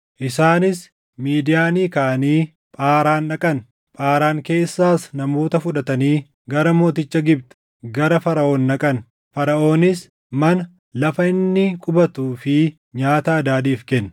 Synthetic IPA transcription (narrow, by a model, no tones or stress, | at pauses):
ʔɪsaːnɪs | miːd̪ɪjaːniːkaːʔɐniː | pʼaːɾaːnːɐkʼɐn | pʼaːɾaːŋke̞ːsːaːsnɐmo̞ːt̪ɐfʊᶑɐt̪ɐniː | ɡɐɾɐmo̞ːt̪ɪt͡ʃːɐɡɪbt̪ɛ̥ | ɡɐɾɐfɐɾɐʔo̞ːnːɐkʼɐn | fɐɾɐʔo̞ːnɪs | mɐnɐ | lɐfɐɪnːɪkʼʊbɐt̪uːfɪ | ɲaːt̪ɐːd̪aːd̪iːfkɛnː